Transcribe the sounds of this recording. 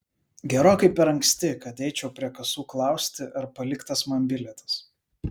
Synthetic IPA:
ɡʲɛɾoːkɐɪpʲɛɾɐŋʲksʲt̪ʲɪkɐt̪ɛɪt͡ʃʲɛʊpʲɾʲiɛkɐsuːklˠɑˑʊsʲt̪ʲɪʔɐɾpɐlʲɪkt̪ɐsmɐmʲbʲɪlʲɛt̪ɐs

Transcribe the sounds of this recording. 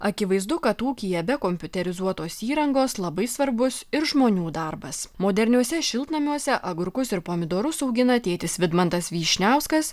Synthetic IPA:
ɐkʲɪʋɐɪzd̪ʊkɐt̪uːkʲɪjɛbʲɛkomʲpʲʊt̪ʲɛɾʲɪzuɔt̪oːsiːɾɐŋɡoːslˠɐbɐɪsʋɐɾbʊsɪɾʒmoːnʲuːd̪ɐɾbɐsmoːd̪ʲɛɾʲnʲuɔsʲɛʃʲɪlˠt̪nɐmʲuɔsʲɛʔɐɡʊɾkʊsɪɾpoːmʲɪd̪oːɾʊsɐʊɡʲɪnɐt̪ʲeːt̪ʲɪsʋʲɪd̪mɐnt̪ɐsʋʲiːʃʲnʲæˑʊskɐs

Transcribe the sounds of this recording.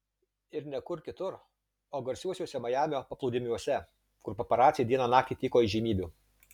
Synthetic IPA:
ɪɾnʲɛkʊɾkʲɪt̪ʊɾ | oːɡɐɾʲsʲuɔsʲuːsʲɛmɐjæːmʲoːpɐplˠɐʊd̪ʲɪmʲuɔsʲɛ | kʊɾpɐpɐɾɑːt̪sʲɪjɛd̪ʲiɛnɐnɑːkt̪ʲiːt̪ʲiːkoːiʒʲiːmʲiːbʲuː

